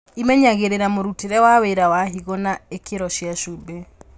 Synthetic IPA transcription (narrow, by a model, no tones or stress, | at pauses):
imɛɲaɣeɾeɾamoɾuteɾɛwaweɾawaɦiɣonaekʰeɾɔʃjaʃube